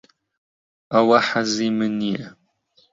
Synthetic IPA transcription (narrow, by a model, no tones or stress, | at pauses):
awaħazimɨniɐ